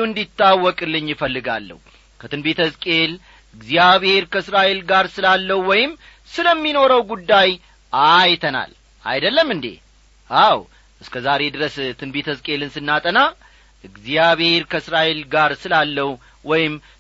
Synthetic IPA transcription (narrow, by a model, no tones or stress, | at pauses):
ɨnd̪it̪ːawːɔkʼɨlːɨɲːjɪfəlːɨɡa̰lːə̰hu | kʰət̪ʰɨnbet̪ʰəzkʼe̞l | ɨɡzijaβhe̞ɾkʰəsɾaʔe̞lɡaɾsɨlalːəhwɔjɪm | sɨləmːino̞ɾəwɡud̪ːaj | ajt̪ʰəna̰l | a̰jd̪əlːəmːɨnd̪ḛ | ʔaw | ʔɨskʰəzaɾe̞d̪ɨɾəst̪ʰɨnbet̪ʰəzkʼe̞lɨnsɨnːat̪ʼəna | ʔɨɡzijaβhe̞ɾkʰəɨsɾaʔe̞lɡaɾsɨlalːəhu | wɔjɪm